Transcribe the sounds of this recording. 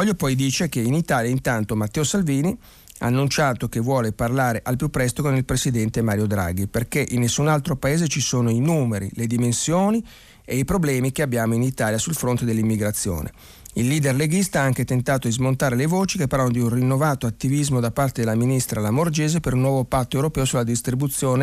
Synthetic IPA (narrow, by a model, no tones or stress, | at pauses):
ɔʎjopɔjd̪iːt͡ʃek̟einit̪aːljaint̪ant̪omat̪ːɛːosalviːni | a̰ːnːunt͡ʃaːt̪okevːwɔːleparlaːɾeʔalpjupːɾɛst̪okonilpɾesid̪ɛnt̪emaːɾjod̪ɾa̰ɡiperkeʔinːesːunalt̪ɾopaeːzet͡ʃisoːnoinuːmeɾḭled̪imensjoːni | eipɾoblɛːmikeabːjaːmoinit̪aːljasulfɾont̪ed̪elːimːiɡɾat̪sːjo̰ːnʔḛ | ilːiːd̪erleɡist̪aaaŋket̪ent̪aːt̪od̪izmont̪aːɾelevoːt͡ʃikepːarlanod̪iunrinːovaːt̪oat̪ːivizmod̪apart̪ed̪elːaminist̪ɾalamord͡ʒeːzepeɾunːwɔːvopat̪ːoewɾopɛːosulːad̪ist̪ɾibut̪sːjoːne